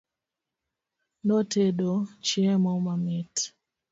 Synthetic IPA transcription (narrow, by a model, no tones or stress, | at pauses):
noteɗot͡ʃjɛmɔmamɛt